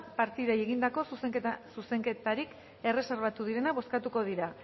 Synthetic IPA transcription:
paɾt̪iðaje̞ɣind̪ako̞sususe̞ŋke̞t̪aɾik | e̞re̞seɾβat̪uðiɾe̞naβo̞skat̪uko̞ð̞iɾa

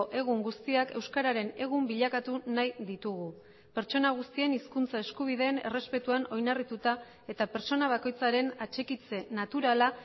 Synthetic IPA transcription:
ʔe̞ɣ̞uŋɡust̪iake̞wskaɾaɾe̞ne̞ɣ̞umbiʎakat̪unajd̪it̪uɣ̞u | pe̞ɾt͡ʃo̞naɣ̞ust̪ie̞niskunt͡sae̞skuβ̞ið̞e̞ːne̞̰re̞spe̞t̪uano̞jnarit̪ut̪a | e̞t̪ape̞ɾt͡so̞naβ̞ako̞jt͡saɾe̞nat͡ʃe̞kit͡se̞nat̪uɾala

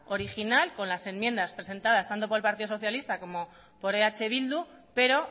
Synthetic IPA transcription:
o̞ɾixinalko̞nlase̞mmje̞nd̪aspɾese̞nt̪að̞ast̪ant̪o̞poelpaɾt̪iðosθjalist̪ako̞mo | po̞ɾeat͡ʃe̞βild̪upe̞ɾo̞

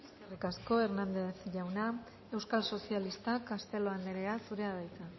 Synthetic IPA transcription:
eskerikasko̞e̞ɾnand̪e̞θʝawna | e̞wskalso̞sialist̪akast̪e̞lo̞and̪eɾeasuɾe̞aðajt͡sa

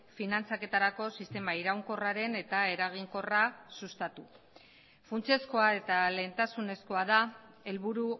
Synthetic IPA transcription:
finant͡sake̞t̪aɾako̞sist̪e̞maiɾawŋko̞raɾe̞ne̞t̪ae̞ɾaɣ̞iŋko̞rasust̪at̪u | funt͡sie̞sko̞ae̞t̪ale̞ːnt̪asune̞sko̞aða | e̞lβuɾu

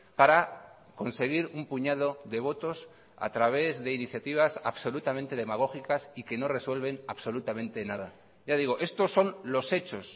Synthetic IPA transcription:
paɾa | ko̞nse̞ɣ̞iɾumpuɲað̞o̞ðe̞β̞o̞t̪o̞s | a̰t̪ɾaβ̞e̞zðe̞iniθjat̪iβ̞asa̰βso̞lut̪amẽnt̪e̞ð̞e̞maɣ̞o̞xikasike̞no̞re̞swe̞lβe̞naβso̞lut̪amẽ̞nt̪e̞nað̞a | ʝaðiɣ̞oʔe̞st̪o̞sːo̞nlo̞se̞t͡ʃo̞s

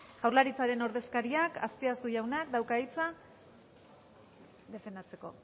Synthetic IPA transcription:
ʝawɾlaɾit͡saɾe̞no̞ɾð̞e̞skaɾiaka̰spiast̪uʝawnak̚d̪awkaijt͡sa | ðe̞fe̞nd̪at͡se̞ko̞̰

